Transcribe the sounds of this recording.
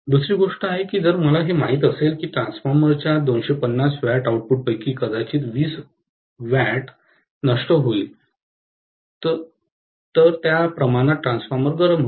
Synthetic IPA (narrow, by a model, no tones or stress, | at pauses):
d̪usɾiːɡoʂʈəaɦekiːd͡zəɾməlaɦemaɦiːt̪əselkiːʈɾãnsfaɾməɾt͡ɕjad̪onɕepənːasʋæʈawʈ̚puʈ̚pəjkiːkəd̪at͡ɕiːt̪ʋiːs | ʋæʈ | nəʂʈəɦoil | t̪ə | t̪əɾt̪japɾəmaɽ̃at̪̚ːɾãnsfaɾməɾɡəɾəmɦo